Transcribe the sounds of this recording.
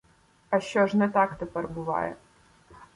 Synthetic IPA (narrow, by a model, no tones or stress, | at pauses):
ɐʃt͡ʃɔʐnɛt̪ɑkt̪ɛpɛrbʊʋɑ̰jɛ̰